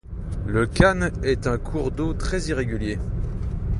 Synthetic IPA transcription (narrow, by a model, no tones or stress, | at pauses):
ləkʲanɛt̪ɛ̃kʰuʁd̪ot̪χɛziʁeɡʲylje